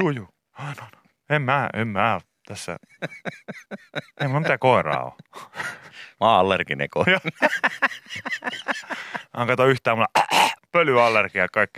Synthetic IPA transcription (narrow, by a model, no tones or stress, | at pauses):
juːjuː | ɑinono | emmæːḛmmæː | t̪æsːæ̰ | emmmit̪ækoˑerɑ̰ːo̰ | mɑːɑlːerkinḛkojɑ | ɑŋkɑt̪ɑyht̪æːmulːɑpølyɑlːerkiɑkɑikːi